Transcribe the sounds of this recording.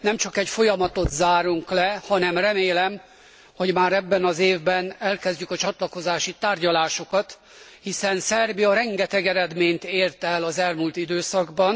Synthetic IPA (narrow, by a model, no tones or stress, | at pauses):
nɛmt͡ʃɒkɛcfo̞jɒmɒt̪o̞t̪zaːɾuŋklɛhɒnɛmrɛmeːlɛm | hoɟmaːɾɛbːɛnɒzeːvbɛnɛlkɛzɟykɒt͡ʃɒt̪lɒko̞zaːʃit̪aːrɟɒlaːʃo̞kɒt̪ | hisɛnsɛrbiɒɾɛŋɡɛt̪ɛɡɛɾɛd̪meːɲt̪eːrt̪ɛlɒzɛlmult̪id̪øːsɒɡbɒn